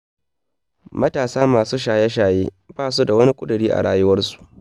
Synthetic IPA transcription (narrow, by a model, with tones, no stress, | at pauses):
mɐ˦taː˨saː˦maː˨suː˦ʃaː˨jɛ˦ʃ̬aː˨jeː˦ | baː˦s̬u˦da˨wɐ˦ni˦kʷʼʊ˦dɪ˨ɽiː˦ʔa̰˨ɽaː˦jʊ˦wɐ˦rsu̥˨ʔ